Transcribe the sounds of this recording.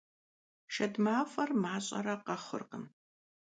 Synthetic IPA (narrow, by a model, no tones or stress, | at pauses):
ʃɐdmaːfʼɐrmaːɕʼɐ̰ɾɐqɐχə̰rqəm